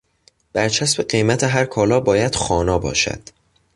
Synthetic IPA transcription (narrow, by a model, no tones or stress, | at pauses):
b̥æɾt͡ʃʰæsbe̞ɢe̞jmæt̪ʰeɦæɾkʰɒːlɒːbɒːjæd̪̥xɒːnɒːbɒ̰ːʃæ̰d̪̥